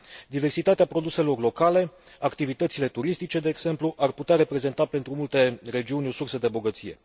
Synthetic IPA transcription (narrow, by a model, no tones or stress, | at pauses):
d̪ive̞rsit̪at̪eapɾo̞d̪use̞lo̞rlo̞kale̞ | akt̪ivit̪ət̪sile̞t̪uɾist̪it͡ʃe̞d̪e̞ːɡz̥e̞mpluʔarput̪eaɾe̞pɾe̞ze̞nt̪ape̞nt̪ɾumult̪e̞re̞d͡ʒiunʲo̞sursəd̪e̞bo̞ɡət̪sije̞̰